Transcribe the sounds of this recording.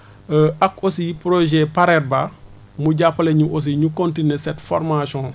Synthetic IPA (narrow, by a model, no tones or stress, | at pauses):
əʔɐkosijipɾoʒɛpaɾɛɾ̚ba | muɟapːɐleɲuʔos̬iɲukõntinesɛtfɔ̰ɾmasɔ̃